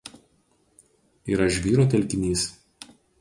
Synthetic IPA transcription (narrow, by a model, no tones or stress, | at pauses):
iːɾɐɪʒʲʋʲiːɾoːt̪ʲɛlʲkʲɪnʲiːs